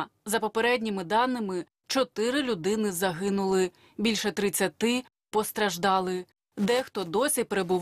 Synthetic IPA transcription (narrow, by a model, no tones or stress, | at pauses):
zɐpɔpeɾɛdʲnʲimɪd̪ɑnːɪmɪ | t͡ʃɔt̪ɪɾɪlʲʊd̪ɪnɪzɐɦɪnʊlˠɪ | bʲilʲʃɛt̪ɾɪt͡sʲːɐt̪ɪ | pɔst̪ɾɐʒd̪ɑlˠɪ | d̪ɛxt̪ɔd̪ɔsʲipeɾebʊʋ